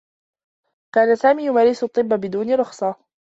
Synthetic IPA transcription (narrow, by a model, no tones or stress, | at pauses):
kaːnasaːmiːjʊmaːɾɪsʊt̪ˤːɨbːabɪd̪uːnɪɾˤʊxsˤɑ